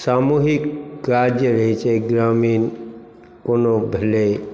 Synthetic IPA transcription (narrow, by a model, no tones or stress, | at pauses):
saːmuɦikkaɾd͡ʒjəɾəɦit͡ʃeɡɾamiːn | konobʱele